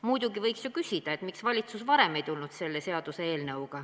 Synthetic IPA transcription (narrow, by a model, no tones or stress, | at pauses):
mujd̪̥uɡivɤjksjukysʲid̪̥ɑe̞t̪miksvɑlʲit̪susvɑɾe̞me̞jt̪ulnud̪̥se̞lːe̞se̞ɑd̪̥useeːlnɤwɡ̥ɑ